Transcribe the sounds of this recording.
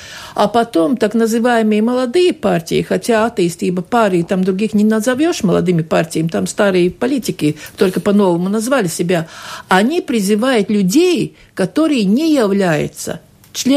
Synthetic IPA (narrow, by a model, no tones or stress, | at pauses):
ɐpɐt̪o̞mt̪aknəzɨvajɪmɨjəməlˠɐd̪ɨjəpartʲɪ̰jɪ̰xɐtʲaat̪əjɪsʲtʲibəpaɾɨɪt̪amd̪ɾʊɡʲixnʲɪnəzɐvʲoʂməlˠɐ̰d̪ɨmʲɪpartʲɪjəmʲɪt̪amst̪aɾɨjəpɐlʲitʲɪkʲɪt̪o̞lʲkəpɐno̞vəmʊnɐzvalʲɪsʲɪbʲaɐnʲipɾʲɪzɨvajʊt̪lʲʊdʲej | kɐt̪o̞ɾɨjənʲɪjɪvlʲæjʊ̰t̪sə̰ | t͡ɕlʲe